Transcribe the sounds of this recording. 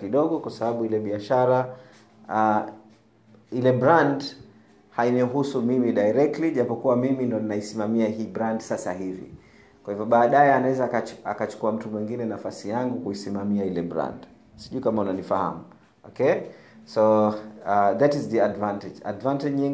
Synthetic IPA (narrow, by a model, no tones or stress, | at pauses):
kiɗɔɠɔkwasaɓaɓuilɛɓiaʃaɾa | ilɛbɾand | haiɲɔɦusumimiɗaiɾɛk̚tliʄapɔkuwamimindɔninaisimamiaɦiːbɾandsasahivḭ | kwahivjɔɓaːɗajɛanawɛzakaakat͡ʃu̥kuam̩tumwiŋɡinɛnafasijaŋɡukuisimamiailɛbɾa̰nd | siʄuikamaunanifaha̰mu | ɔkɛ | sɔ | ðatizðiadvantɛd͡ʒa̰dvantɛʄɲiŋ